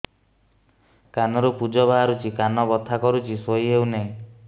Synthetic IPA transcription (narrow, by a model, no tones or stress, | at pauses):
kanɔɾupud͡ʒɔbaɦaɾut͡ʃikanɔbɔt̪ʰːakɔɾut͡ʃisoiɦeuwneĩ